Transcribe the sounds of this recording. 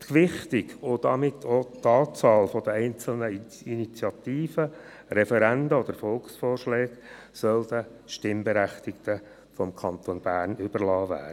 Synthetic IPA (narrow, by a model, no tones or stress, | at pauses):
tkʋɪχt̪ɪɡʊd̥̪ɑmɪt̪ʰːot̪ɑːt͡sɑːlfɔd̥̪əɛɪnt͡sl̩nə | init͡sjɑt̪iːfə | ɾɛfɛɾænd̪əɔd̪̥əɾfɔlksfɔːrʃlɛːksœld̪əʃtɪmbɛɾæχt̪ɪkt̪ə | fɔmkʰɑnt̪onb̥æːrnʏb̥əɾlɑːvæ̰ː